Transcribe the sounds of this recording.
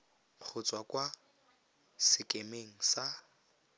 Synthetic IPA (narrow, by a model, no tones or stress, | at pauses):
q͡χʰʊt͡sʼwakwa | sɪkʼemeŋ̩sa